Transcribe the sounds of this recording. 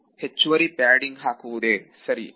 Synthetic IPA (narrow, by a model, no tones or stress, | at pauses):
het͡ʃːuʋɐɾipaːɖiŋɡɦaːkuːd̪eːsɐɾḭ